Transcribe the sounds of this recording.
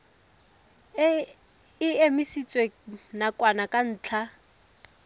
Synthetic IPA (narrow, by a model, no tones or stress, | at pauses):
ɪemisit͡sʼwenakʼwanakʼan̩ːt͡ɬʰa